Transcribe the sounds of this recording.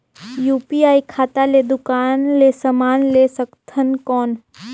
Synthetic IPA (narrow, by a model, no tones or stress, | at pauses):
juːpiaːikʰaːt̪aled̪ʊkaːnleːsəmaːnlesəkt̪ʰənkɔːn